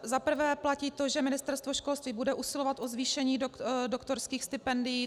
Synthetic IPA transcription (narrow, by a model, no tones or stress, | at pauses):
zapr̩vɛːplaciːt̪o̞ʒɛmɪnɪst̪ɛɾst̪voʃko̞lst̪viːbudɛʔusɪlo̞vat̪ʔozviːʃɛɲiːddokt̪oɾskiːxst̪ɪpɛndɪjiː